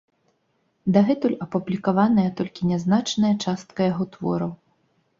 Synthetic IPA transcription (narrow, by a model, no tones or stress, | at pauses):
d̪ɐɣɛt̪ulʲɐpublʲikavanɐjɐt̪ɔlʲkʲinʲɛznat͡ʂnɐjɐt͡ʂast̪kɐjaɣɔt̪vɔ̰ɾɐw